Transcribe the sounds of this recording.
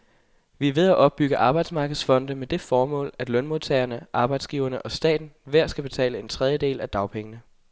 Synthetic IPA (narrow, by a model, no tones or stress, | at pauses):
ʋiɐʋe̝ð̞ˠæʔɒ̽b̥̚ːyɡ̥əʔɑ̈ːb̥ɑ̈ɪd̥smɑ̈ːɡ̥əð̩ˠsfɒ̽n̰d̥əmed̥e̝fɒːmɔ̰̽ːlæd̥lœnmo̝ðˠt͡sʰɛɪɐnəʔɑ̈ːb̥ɑ̈ɪd̥sɡ̥iːʊɐnəʔɒ̽sd̥ɛ̰ːd̥n̩ʋæɐ̰sɡ̥æb̥e̝t͡sʰɛ̰ːləe̝nt͡sʰʁɛð̞ˠjəd̥e̝̰ːlæd̥ɑ̈ʊpʰeŋənə